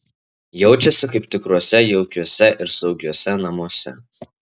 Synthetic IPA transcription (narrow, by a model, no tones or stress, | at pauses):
jɛʊt͡ʃʲɛsʲɪkɐɪp̚t̪ʲɪkɾuɔsʲɛjɛʊkʲuɔsʲɛʔɪɾsɒʊɡʲuɔsʲɛnɐmuɔsʲɛ̰